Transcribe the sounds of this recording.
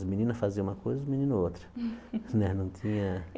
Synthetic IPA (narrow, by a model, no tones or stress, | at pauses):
ɐmĩnĩnɐfaziɐũmɐkojzɐmĩnĩnʊot̪ɾɐ̥nɛnɐ̃w̃t̪ʰĩɲɐ